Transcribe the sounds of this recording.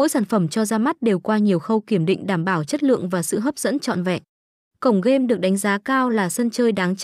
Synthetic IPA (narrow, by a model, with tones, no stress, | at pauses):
mo̰˧˥jsaː˧˩nfə˧˩mt͡ɕɔ˧zaː˧ma˦˥t̚ɗe˨˩wkwaː˧ɲi˨˩əwxə˧wki˧˩əmɗḭ̈˧˨ŋ̟ɗaː˧˩mɓaː˧˩wt͡ɕə˦˥t̚lɨ̰˧˨əŋvaː˨˩sɨ̰˧˨ɦəː˦˥p̚zə̰˧˥nt͡ɕɔ̰˧˨nvɛ̰˧˨ʔ | kə˧˩wŋ͡mɣe˧mɗɨ˨˩ək̚ɗa˨˦jŋ̟zaː˨˦kaː˧wlaː˨˩sə˧nt͡ɕəː˧jɗaː˨˦ŋt͡ɕ